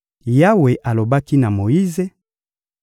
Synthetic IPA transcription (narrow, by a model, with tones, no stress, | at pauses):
ja˦we˨ʔa˨lo˨ba˦ki˦na˨mo˨ji˦ze˦